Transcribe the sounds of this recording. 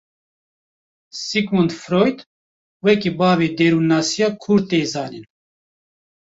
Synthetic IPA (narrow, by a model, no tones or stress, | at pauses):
sikmund̪fɾoːjt̪ | wɛkibaːveːd̪eːɾuːnaːsijaːkʰuɾt̪eːzɑːnin